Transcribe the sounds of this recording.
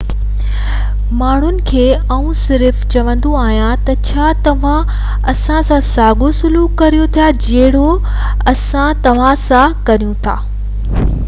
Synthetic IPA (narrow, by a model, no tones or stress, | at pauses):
maːɳ̤ʊnɪ̆kʰeː | ɐũsɪɾft͡ɕɐʋə̃nd̪oaːɦjãt̪ɐt͡ɕʰaːt̪ɐʋ̤ã | ɐsãsãsaːɡosʊluːkːɐɾijot̪ʰijad͡ʑɐɦɪɽ̤o | ɐsãt̪ɐʋ̤ãsãkɐɾijũt̪ʰa̰ː